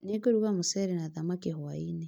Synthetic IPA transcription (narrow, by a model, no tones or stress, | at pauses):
neɡoɾuɣamosɛɾenaðamakehwaine